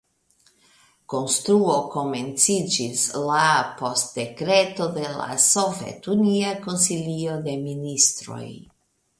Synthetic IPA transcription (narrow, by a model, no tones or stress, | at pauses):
ko̞nst̪ɾuoko̞ment͡sid͡ʒislapo̞st̪̚d̪e̞kɾet̪o̞d̪e̞la̰sovḛt̪uniako̞nsilio̞d̪e̞minist̪ɾo̞̰j